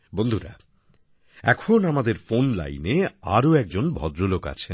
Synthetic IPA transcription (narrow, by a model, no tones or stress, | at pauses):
bond̪ʱuɾa̰ | ɛkʰonamad̪eɾfonla̰jneaɾoɛk̚d͡ʑonbʱɔd̪ɾoloka̰t͡ɕʰen